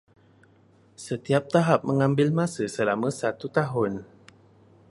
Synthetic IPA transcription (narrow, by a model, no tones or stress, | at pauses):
sət̪iap̚t̪aɦap̚məŋãmbɪlmãsəsəlamə̃sat̪ut̪aɦʊn